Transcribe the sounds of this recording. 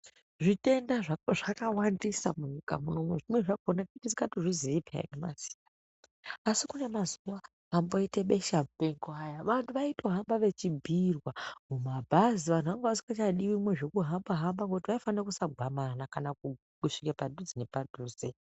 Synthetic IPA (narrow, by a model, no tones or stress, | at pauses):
ʐite̞ndaʐaʐakawandisamuɲika̰munomweʐimwe̞ʐakonakutizikatiʐiziipʰḛja̰nema̰z̥i̥tḁ | asikune̞mazuwa | amboiteɓe̞ʃamupeŋɡoajaʋantʰuʋaito̞ɦambaʋe̞t͡ʃibʱirwamumabʱaziʋantʰuʋaŋɡaʋasi̥kat͡ʃaɗiwimwe̞ʐekuɦambaɦambaŋɡoutiʋaifanrekusaɡʱwamanakanaku | kuʂikepadʱuzinepadʱuːze